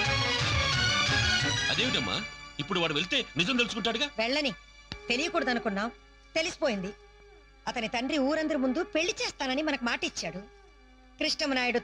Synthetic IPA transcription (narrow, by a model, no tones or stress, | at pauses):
ɐ̰d̪e̞ːʋiʈɐmːa̰ːipːuɽuʋaːɽuʋeɭit̪e̞ːnizɐmt̪̬elusukuɳʈːaːɽuɡaːʋɛɭːɐni | t̪e̞lijɐkuːɽɐd̪ɐnukunːaːm | t̪e̞lisi̥po̞ːjind̪i | ɐt̪ɐnit̪ɐɳɖɾiuːɾɐnd̪ɐɾimund̪upe̞ɭːit͡ʃɛːst̪aːnɐnimɐnɐkumaːʈit͡ʃːaːɽu | kɾiʂʈɐmnaːjiɽu